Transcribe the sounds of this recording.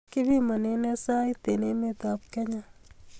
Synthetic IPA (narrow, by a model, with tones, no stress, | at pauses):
ki˦bi˦mɐ˨ne˦nɛ˦sa˦jt̪e˨ne˦me˨t̪ap̚kɛ˦ɲa˦